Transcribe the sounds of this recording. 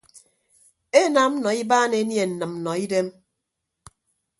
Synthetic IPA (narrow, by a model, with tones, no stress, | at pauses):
e˦na˨˦m̩˦nɔ˨i˦baː˦ne˨˦nje˨n̩˨nɨ˨mm̩˨nɔ˨i˦de˦m